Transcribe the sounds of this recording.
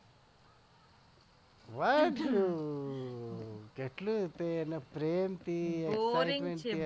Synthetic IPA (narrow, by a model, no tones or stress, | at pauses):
ʋaʈu | keʈlut̪enɐpɾeːmt̪iekajmeɳʈi